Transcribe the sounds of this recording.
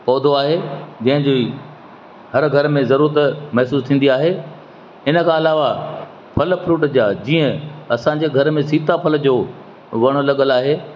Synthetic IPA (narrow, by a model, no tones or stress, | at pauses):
pɔːd̪ʱoaːɦed͡ʑɐ̃ɦɪ̃ɲd͡ʑo | hɐɾɡʱɐɾmẽzɐɾuːɾət̪mɐɦsuːst̪ʰĩːn̆d̪iaːɦe | ɪnə̆kʰãːɐlaːʋa | pʰɐlpʰɾuːʈd͡ʑaːd͡ʑiːə̃ɐsãːɲ̆d͡ʑeɡʱɐɾmẽsiːt̪apʰɐld͡ʑoː | ʋɐɽ̃ʊlɐɠəlaːɦeː